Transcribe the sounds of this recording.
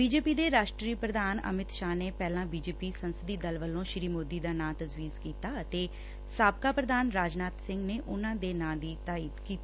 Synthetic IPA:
biːd͡ʒeːpiːd̪eːɾaːʃʈɾiːpɾəd̪aːnə̰mɪt̪ʃaːneːpɛːlãːbiːd͡ʒeːpiːsənsəd̪iːd̪əlʋəlõːʃɪɾiːmoːd̪iːd̪aːnãːt̪əzʋiːzkiːt̪aːət̪eː | saːb̚kaːpɾəd̪aːnɾaːd͡ʒnaːt̪sɪ̃ŋɡneːʔʊnãːd̪eːnãːd̪iːt̪aːiːd̪kiːt̪i

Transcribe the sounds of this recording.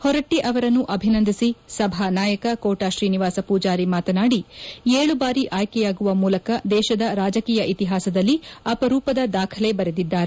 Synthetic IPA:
hɔɾɐʈːiʔɐʋɐɾɐnːuʔɐbʱinɐnd̪ʱisisɐbʱanaːjɐkɐkoːʈaːʃɾiːniʋaːsɐpuːd͡ʒaːɾimaːt̪ɐnaːɽieːɭubaːɾiʔaːjkɛjaːɡuʋɐmuːlɐkɐd̪ɛːʃɐd̪ɐɾaːd͡ʒɐkiːjɐʔit̪iɦaːsɐd̪ɐlːiɐpɐɾuːpɐd̪ɐd̪aːkʰɐlebɐɾed̪id̪ːaːɾe

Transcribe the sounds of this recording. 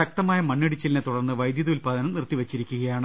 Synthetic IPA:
ɐk̚t̪ɐmaːjɐmɐɳːiɽit͡ɕːɐlnet̪uɽɐrnːɨʋɐjd̪jɐðulpaːd̪ɐnɐmnirt̪ːiʋɐt͡ɕːiɾikʲːuɣɐjaːɳɨ

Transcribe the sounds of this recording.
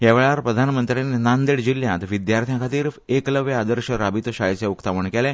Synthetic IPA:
ɦjaʋeɭaɾpɾəd̪ʱanmənt̪ɾaninand̪eɽd͡ʑilːjãt̪ʋid̪jaɾt̪ʰjãkʰat̪iːɾekləʋjad̪əɾɕəɾabit̪oɕajseukt̪aʋəɳkɛlɛ̃

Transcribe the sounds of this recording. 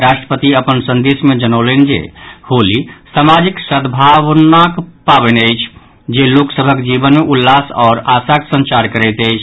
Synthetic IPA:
ɾasʈɾə̥pət̪iəpənsə̃nd̪esmed͡ʒənəlend͡ʒḛholisamad͡ʒiksəd̪bʱaʋnakpabɛnəjt͡ʃʰ | d͡ʒeloksəbʱəkd͡ʒibənmeʔulːasɔːɾasaksə̃nt͡ʃaɾkəɾɛjt̪əjt͡ʃʰ

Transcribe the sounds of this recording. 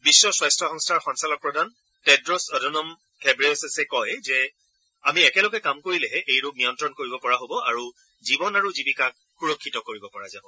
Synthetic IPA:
bisːɔswɔjstɹɔxɔŋstʰaɹxɔnsalɔk̚pɹɔdʱan | tɛdɹɔsɔdʱɔnɔm | kʰɛbɹeɔsɛsɛkɔjzɛ | amiɛkɛlɔɡɛkamkoɹilɛɦɛʔejɹub̚nijɔntɹɔnkoɹibɔpɔɹaɦobɔʔa̰ɹu | zibɔnaɹuzibikak̚ | xuɹɔkʰːitɔkoɹibɔpɔɹazabɔ

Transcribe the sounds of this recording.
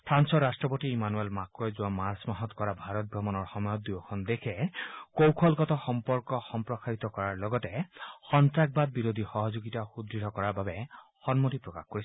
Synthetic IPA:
tʰansɔɹastɹɔpotiimanuelmakɔjzuwamaɹsmaɦɔt̪kɔɹabʱaɹɔt̪̚bʱɹɔmɔnɔɹxɔmɔjɔt̪̚d̪ujɔkʰɔnd̪ekʰɛkowkʰɔlkɔtɔxɔmpɔɹkɔxɔmpɹɔxaɹit̪ɔkɔɹaɹlɔɡɔtɛxɔnt̪ɹak̚bad̪̚biɾod̪ʱixɔɦɔzoɡitaxud̪iɾɔkɔɹaɹbabɛxɔnmotipɹɔkaxkoɹis

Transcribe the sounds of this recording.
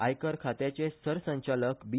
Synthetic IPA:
ajkəɾkʰat̪jet͡ɕesəɾsə̃ɲt͡ɕaləkbi

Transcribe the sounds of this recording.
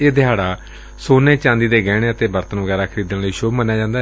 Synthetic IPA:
eːd̪ɪɦaːɽaː | soːneːt͡ʃãːnd̪iːd̪eːɡɛːɽ̃eːət̪eːbəɾt̪ənʋəɡɛːɾaːkʰəɾiːd̪ənləiːʃoːbmənːjaːd͡ʒãːnd̪a

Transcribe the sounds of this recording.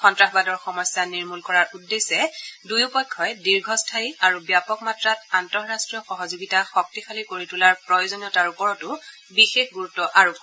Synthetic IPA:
xɔntɹaxbadɔɹxɔmɔjsːaniɹmulkɔɹaɹʔudːesɛdujupɔjkʰːɔjdiɹɡʱɔstʰaiaɹubjapɔkmatɹatantɔɹːastɹijɔxɔɦɔzoɡitaxɔk̚tikʰalikoɹitulaɹpɹɔjozɔnijɔtaɹupɔɹɔtʊ | bixexɡuɹutːɔʔaɹupɔ

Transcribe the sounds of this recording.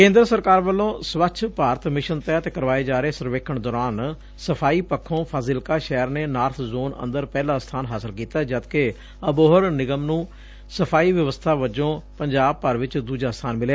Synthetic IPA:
kẽːnd̪ɾəsəɾkaːɾʋəlːõːsʋəkt͡ʃʰpaːɾət̪mɪʃənt̪ɛːt̪eːkəɾʋaːeːd͡ʒaːɾeːsəɾʋeːkʰəɳd̪ɔːɾaːn | səpʰaːiːpəkʰːõːpʰaːzɪlkaːʃɛːɾneːnaːɾt̪ʰzoːnə̰̃nd̪əɾpɛːlaːst̪ʰaːnɦaːsəlkiːt̪aːd͡ʒəd̪ke | əboːɦəɾnɪɡəmnũː | səpʰaːiːʋəʋəst̪ʰaːʋəd͡ʒõːpəɲd͡ʒaːb̚pəɾʋɪt͡ʃd̪uːd͡ʒaːst̪ʰaːnmɪljaː

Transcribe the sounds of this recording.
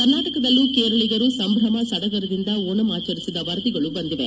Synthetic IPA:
kɐɾnaːʈɐkɐd̪ɐlːukeːɾɐɭiɡɐɾusɐmbʱɾɐmɐsɐɽɐɡɐɾɐd̪ind̪ɐoːɳɐmaːt͡ʃɐɾisid̪ɐʋɐɾɐd̪iɡɐɭubɐnd̪iʋḛ

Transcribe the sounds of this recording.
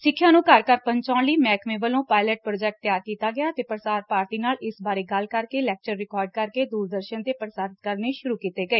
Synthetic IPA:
sɪkʰːjãːnũːkəɾkəɾpəɲt͡ʃaːɳliːmɛːkʰmẽːʋəlõːpaːɪləʈ̚pɾoːd͡ʒɛːk̚ʈ̚t̪ːjaːɾkiːt̪aːɡɪjaːt̪eːpɾəsaːɾpaːɾʈiːnaːlɪsbaːɾeːɡəlkəɾkeːlɛːk̚t͡ʃəɾːɪkɔːɾɖ̚kəɾkeːd̪uːɾd̪əɾʃənt̪eːpɾsaːɾɪt̪̚kəɾneːʃʊɾuːkiːt̪eːɡəeː

